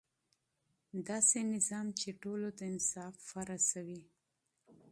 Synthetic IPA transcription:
d̪ɑsenɪzɑmt͡ʃeʈolod̪əɪnsɑfːaɾasawi

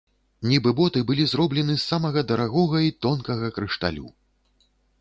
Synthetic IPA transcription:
nʲibɨbɔt̪ɨbɨlʲizrɔblʲɛnɨsːamɐɣɐd̪ɐɾaɣɔɣɐit̪ɔnkɐɣɐkɾɨʂt̪a̰lʲṵ

